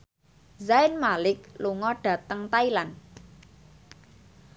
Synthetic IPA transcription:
zaɪnmalɪk̚luŋɔɖ̥ä̤t̪əŋt̪ailan

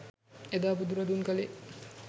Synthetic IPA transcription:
ed̪aːbud̪uɾɐd̪unkɐle

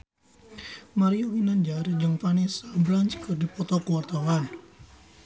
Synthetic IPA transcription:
maɾiɔŋinand͡ʒard͡ʒəŋpanisablaɲt͡ʃkɨrdipɔt̪ɔkuwart̪awan

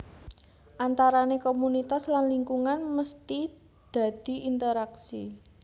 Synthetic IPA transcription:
ʔant̪aɾanekomunit̪aslanliŋkuŋanməst̪i | d̪̥a̤d̪̥i̤ʔint̪əɾaksḭ

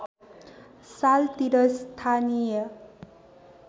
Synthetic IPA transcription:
salt̪iɾʌst̪ʰanijʌ

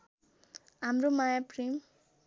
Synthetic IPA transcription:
ɦamɾomajaprim

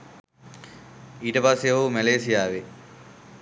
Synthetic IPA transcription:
iːʈəpasːeʋɐʋumæleːsijaːʋe

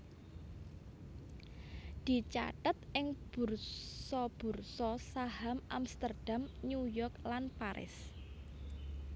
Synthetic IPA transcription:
d̪̥i̤t͡ʃa̰ʈət̪ʔɪŋb̥ṳrsɔb̥ṳrsɔsahamʔamst̪ərd̥a̤mnujɔrklanpaɾʔɪ̰s

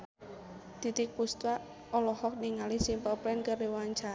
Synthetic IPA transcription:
d̪̥i̤t̪ik̚pust̪waʔ | ɔlɔhɔk̚niŋalisimpəpɾɛnkəɾiwaɲt͡ʃa

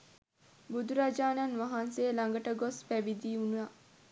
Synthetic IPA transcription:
bud̪uɾad͡ʒaːnanʋaɦanseːlaŋɡəʈəɡospæbid̪iːunuja

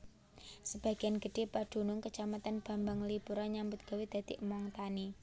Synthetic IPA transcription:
səb̥a̤ɡ̥ianɡə̤ɖ̥e̤paɖ̪̥ṳnʊŋkət͡ʃamat̪anb̥a̤mbaŋlipuɾaɲambʊt̪̚ɡ̥a̤wid̪̥a̤d̪̥iʔmɔŋt̪ani

